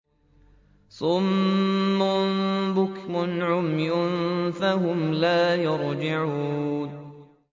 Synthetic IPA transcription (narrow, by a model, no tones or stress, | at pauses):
sˤʊmː | ʊnbʊkmʊnʕʊmjʊnfahʊmlaːjɑɾd͡ʒɪʕuːn